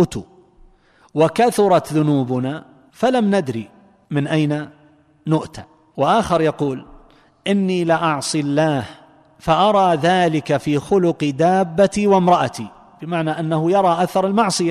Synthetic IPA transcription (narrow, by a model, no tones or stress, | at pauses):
t̪u | wakaθʊɾˤɑt̪ðʊnuːbʊna | falamnad̪ɾḭ | mɪnʔajna | nʊʔt̪a̰ | wɪʔaːxɪɾˤjɑquːl | ʔɪnːilɪʔɑʕsˤilːaːh | faʔɑɾˤɑːðaːlɪkafiːxʊlʊqd̪aːbːat̪iwɪmɾˤɑʔat̪i | b̥ɪmaʕnaʔanːahʊjɑɾˤɑːʔaθɑɾˤɪlmɑʕsˤɨja